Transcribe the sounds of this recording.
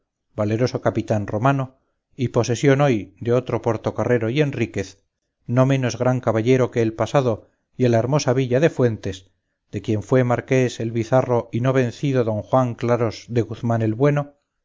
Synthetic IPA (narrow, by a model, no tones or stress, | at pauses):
bale̞ɾo̞so̞kapit̪anro̞mano̞ | ipo̞se̞sjo̞no̞jd̪eo̞t̪ɾo̞pweɾt̪o̞kare̞ɾo̞ie̞nrike̞θ | no̞mẽ̞no̞zɣɾaŋkaβaʎe̞ɾo̞ke̞ːlpasaðo̞ | jalaeɾmo̞saβ̞iʎaðe̞fwe̞nt̪e̞s | d̪e̞kje̞ɱfwe̞maɾke̞selβiθaro̞ino̞β̞ẽ̞nθiðo̞ðo̞ŋxwaŋklaɾozðe̞ɣuθmane̞lβwe̞no